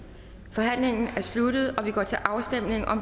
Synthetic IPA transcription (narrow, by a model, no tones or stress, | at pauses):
fɒ̽ɦæn̰le̝ŋn̩æɐslud̥ð̞̩ˠɒ̽ʋiɡ̥ɒ̰ːt͡sʰe̝lʔɑ̈ʊsd̥em̰ne̝ŋʔɒ̽m